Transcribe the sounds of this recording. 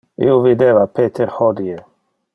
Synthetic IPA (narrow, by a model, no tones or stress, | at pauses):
ḭovid̪evapet̪ʰeɾhod̪ie